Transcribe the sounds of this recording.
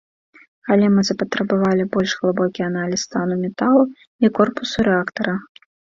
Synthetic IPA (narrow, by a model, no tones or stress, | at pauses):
kalʲimɨzɐpɐt̪ɾɐbavalʲibɔlʲʂɣlˠɨbɔkʲiɐnalʲisːt̪anumʲɛt̪alˠ | ikɔrpusuɾɛakt̪ɐɾɐ